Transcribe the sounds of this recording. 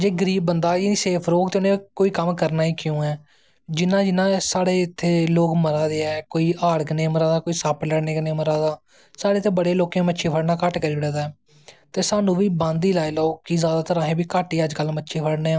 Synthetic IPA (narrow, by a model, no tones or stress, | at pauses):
d͡ʒeːɡəɾiːbːənd̪aːiniːseːpʰɾoːkt̪eːʊnẽːkoːiːkəmkəɾnaːiːkjũːɛː | d͡ʒɪnãːd͡ʒɪnãːsaːɽeːɪt̪ʰːeːloːkməɾaːd̪eːɛːkoːiːʔaːɽkəneːməɾaːd̪aːkoːiːsaːpləɽneːkəneːməɾaːd̪aː | saːeːt̪ʰeːbəɽeːloːkẽːmətːʃʰeːpʰəɽnaːkəʈkəɾiːɽɛːd̪aː | t̪eːsaːnũːʋiːbãːnd̪iːlaːiːlooːkizjaːd̪aːt̪əɾãːɦẽːbiːkaːʈiːəd͡ʒkəlmətːʃʰeːpʰəɽneːãː